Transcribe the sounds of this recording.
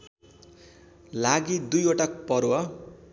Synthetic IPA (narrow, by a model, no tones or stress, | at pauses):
laɡid̪ujoʈakpʌɾwa